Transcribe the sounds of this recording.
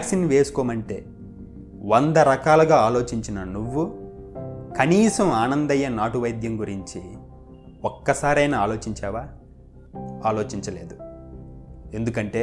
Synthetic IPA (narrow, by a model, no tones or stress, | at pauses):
aːksinːʋe̞ːsu̥koːmɐɳʈe̞ː | ʋond̪ɐɾɐkaːlɐɡaːaːlo̞ːt͡ʃiɲt͡ʃinɐnuʋːu | kɐniːsɐmaːnɐnd̪ɐjːɐnaːʈuʋɐjd̪ʱjɐmɡuɾiɲt͡ʃi | okːɐsaːɾɐjnɐaːlo̞ːt͡ʃiɲt͡ʃaːʋaː | aːlo̞ːt͡ʃiɲt͡ʃɐle̞ːd̪u | e̞nd̪ukɐɳʈe̞ː